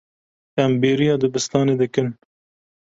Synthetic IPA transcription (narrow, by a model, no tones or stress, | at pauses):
æmbeːɾijɑːd̪ɨbɨst̪ɑːneːd̪ɨkɨn